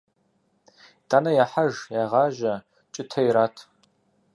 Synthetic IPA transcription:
d̥aːnɐjaħaʒjaʁɑːʒɐ | t͡ʃʼɪtʰɐjɾaːtʰ

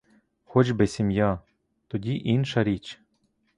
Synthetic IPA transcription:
xɔt͡ʃbesʲimʲja | t̪ɔdʲiʔinʃɐɾʲit͡ʃ

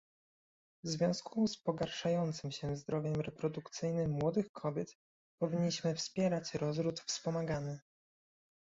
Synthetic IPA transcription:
vzvʲjɔ̃w̃skʰuspɔɡaɾʂajɔnt̪sɘmɕɛzd̪ɾɔvʲjɛmɾɛpɾɔd̪ukt̪sɘjnɘmːwɔd̪ɘxkʰɔbʲjɛt̪ | pɔvʲiɲːiɕmɘfspʲjɛɾat͡ɕɾɔzɾut̪fspɔmaɡanɘ

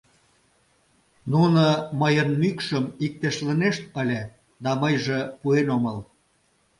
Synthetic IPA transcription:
nunəməjənmykʃəmik̚t̪eʃlə̆neʃt̪̚əlʲĕ | d̪ɑməjʒĕpuenoməl

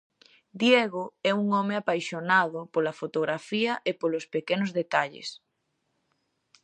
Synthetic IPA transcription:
d̪jeɣoɛuŋɔmeapajʃonaðʊpolɐfot̪oɣɾafiɐʔepolospekenozðet̪aʎḛs

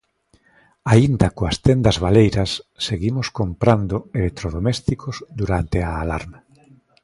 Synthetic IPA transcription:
aind̪akoast̪end̪azβalejɾasːeɣimoskompɾand̪oelek̚t̪ɾoðomest̪ikozd̪uɾant̪eaːla̰ɾma

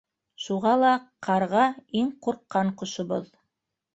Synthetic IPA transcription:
ʃuʁɑlˠɑqʰɑɾʁɑiŋquɾqːɑɴqŏʃŏβoð

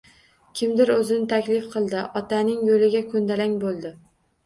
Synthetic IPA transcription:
kʲʰɪmd̪ɪɾɵzɪnɪt̪ʰakʲlɪfqʰɨlˠd̪ɪʔɒt̪ʰanɪŋjolɪɡʲakʰɵnd̪alaŋʲbolˠd̪ɪ

